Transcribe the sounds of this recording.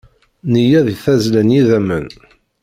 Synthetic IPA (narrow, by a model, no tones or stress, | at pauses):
nijæðiθæzlənjiðæmən